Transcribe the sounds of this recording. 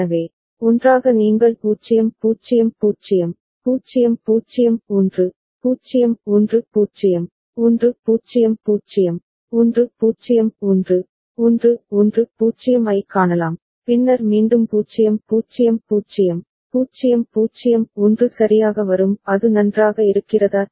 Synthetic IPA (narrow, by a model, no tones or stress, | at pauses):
ɐʋeː | ɔndraːɣɐniːŋɡɐɭpuːt͡ʃːɪjɐmpuːt͡ʃɪjɐmpuːt͡ʃɪjɐm | puːt͡ʃɪjɐmpuːt͡ʃːɪjɐmɔndrɯ | puːt͡ʃːɪjɐmɔndrɯpuːt͡ʃɪjɐm | ɔndrɯpuːt͡ʃɪjɐmpuːt͡ʃɪjɐm | ɔndrɯpuːt͡ʃɪjɐmɔndrɯ | ɔndrɯɔndrɯpuːt͡ʃɪjɐmɐɪkːaːɳɐlaːm | pɪnːɐɾmiːnɖɯmpuːt͡ʃːɪjɐmpuːt͡ʃɪjɐmpuːt͡ʃːɪjɐm | puːt͡ʃɪjɐmpuːt͡ʃːɪjɐmɔndrɯsɐɾɪjaːɣɐʋɐɾɯmɐðɯnɐndraːɣɐɪɾɯkːɪrɐðaː